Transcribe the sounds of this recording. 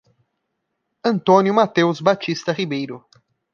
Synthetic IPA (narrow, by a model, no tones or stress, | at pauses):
ɐ̃nt̪õnjʊmat̪ewzbat͡ʃist̪ɐʁibejɾʊ